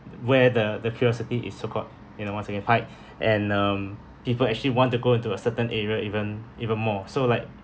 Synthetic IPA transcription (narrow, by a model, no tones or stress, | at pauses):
wɛdədəkʰjuɹɔsitiʔɪ̰sːokʰɔt̚ | junowãnsɛɡɛ̃npʰaɪt̚ | ʔɛ̃nʌ̃m | pipəlɛk̚t͡ʃəliwɔ̃ntuɡoĩntuəsətə̃nʔɛɹiəʔivə̃nivə̃nmɔsolaɪk̚